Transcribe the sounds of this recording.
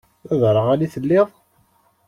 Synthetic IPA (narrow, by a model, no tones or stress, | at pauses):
æðɾˤəʁæliθəlːɪðˤ